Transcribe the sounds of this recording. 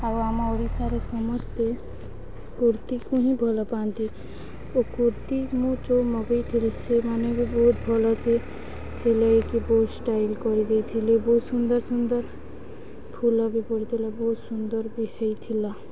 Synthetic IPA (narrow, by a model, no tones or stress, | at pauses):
abaːmaɔɾisaɾesɔməd͡ʒt̪e | kuɾt̪ikoɦĩbʱɔlapaːnt̪i | okuɾt̪imõt͡ʃoməɡəit̪ʰilisemaːnebʱiboːt̪̚bʱɔlase | selaikiboːt̪sʈaːɪlkɔɾid̪eit̪ʰileboːt̪sʊnd̪əɾsʊnd̪əɾ | pʰulabʱipɔɽit̪ʰilaboːt̪sʊnd̪əɾbʱihəit̪ʰila